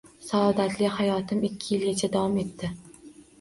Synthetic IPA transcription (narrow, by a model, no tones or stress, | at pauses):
saɒd̪at̪ʰlɪhajɒt̪ʰɪmɪkʲʰːɪjɪlɡʲat͡ʃʰad̪awɒme̞t̪ːɪ